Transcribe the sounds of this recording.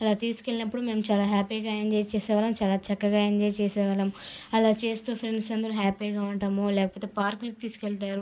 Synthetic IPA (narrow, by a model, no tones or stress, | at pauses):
ɐlaːt̪iːsu̥kelinɐpːuɽume̞ːmut͡ʃaːlaːɦaːpiːɡaːɐnd͡ʒet͡ʃeːsɛːʋaːlɐmt͡ʃaːlaːt͡ʃɐkːɐɡaːeɲd͡ʒejt͡ʃɛːsɛːʋalɐmɐlaːt͡ʃeːst̪uːpʰɾeɳɖsɐnd̪ɐɾuɦaːpɐjɡaːuɳʈaːmulɛːkɐpoːt̪̬eːpaːɾklik̚t̪iːsu̥keɭt̪aːɾu